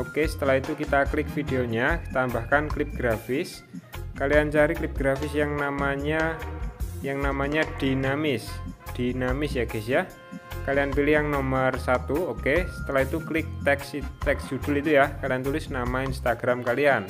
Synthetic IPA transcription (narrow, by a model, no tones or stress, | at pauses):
ʔokesə̥t̪əlaɦit̪ukit̪aklɪk̚fideoɲḁt̪ambahkanklɪp̚ɡ̥ɾafɪs | kaliant͡ʃaɾiklɪp̚ɡ̥ɾafɪsjaŋnamaɲa | jaŋnamaɲad̥inamɪsd̥inamɪsjaɡ̥ɛsja | kalianpilɪhjaŋnomərsat̪uokesə̥t̪əlaɦit̪uklɪk̚t̪ɛksit̪ɛksd̪̥ud̪̥ʊlit̪ujahkaliant̪ulɪsnamainst̪aɡɾamkalian